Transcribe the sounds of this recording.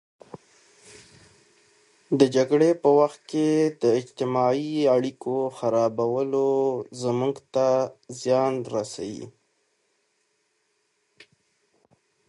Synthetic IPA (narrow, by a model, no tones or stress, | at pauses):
d̪əd͡ʒaɡɽepəwaxt̪̚ked̪əɪd͡ʒt̪ɪmɑiaɽikʰoxaɾɑbawəlozəmuɡt̪azjɑnɾasa̰wḭ